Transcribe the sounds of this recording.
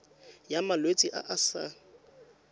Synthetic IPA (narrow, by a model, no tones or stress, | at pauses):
jamalwet͡sʼiʔa̰ʔasa̰